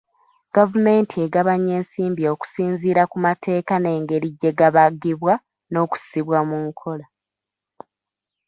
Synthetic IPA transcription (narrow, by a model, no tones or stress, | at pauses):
ɡ̥avume̞ːntʰie̞ɡaβaɲːe̞ːnsiːmbio̞ːku̥siːnziːɾakumatʰe̞ːkane̞ːŋɡe̞ɾiɟe̞ɡaβaɡiβwa | no̞ːku̥siβwamuŋkʰo̞la